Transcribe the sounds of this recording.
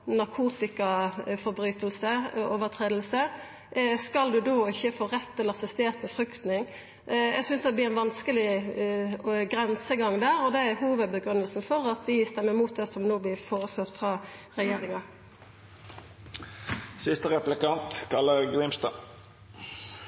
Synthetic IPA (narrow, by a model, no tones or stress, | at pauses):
nɑʁkʰuːt̪ɪkɑfɔɾbɾyːt̪əlsəoːʋəʁt̪ʰʁeːd̪l̩sə | skɑld̪ʉd̪oːɪçːəfoːʁɛt̪ʰːɪlɑsɛst̪eːʁt̪mɛfʁʏkt̪nɪŋ | ɛɡsʏnsd̪ɛblɪːænʋɑnskəlɪ | ɡɾɛnsəɡɑŋd̪æːɾɔd̪ɛæɾhuːʋəd̪̚bəɡʁʉnːəlsn̩fɔɾɑt̪ʋɪst̪ɛmːəʁmuːt̪̚d̪ɛːsɔmnoːblɪːfoːʁəsɑt̪ːfʁɑːʁɛjeːɾɪŋɑ | sɪst̪əʁɛplɪkɑnt̪kʰɑlːəʁɡɾɪmst̪ɑ̰